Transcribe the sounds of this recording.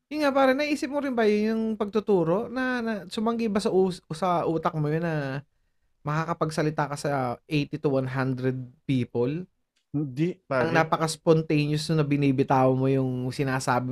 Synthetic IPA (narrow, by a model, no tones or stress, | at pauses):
jʊnŋaʔpaːɾɐnɐʔiːsɪp̚mʊɾɪnbɐjʊnjʊŋpɐɡ̚t̪ʊt̪uːɾo̞ʔnɐnɐsʊmɐŋɡɪbɐsɐʔusɐʔuːt̪ɐk̚mʊjonːɐ | mɐkakɐpɐɡsɐlɪt̪aːkɐsɐʔejt̪it̪uwanɦand̪ɾɛd̪̚piːpol | hnd̪iaɐŋnaːpɐkɐspont̪ejnjosnʊnɐbɪniːbɪt̪aːwɐmojʊŋsɪnaːsaːbɪ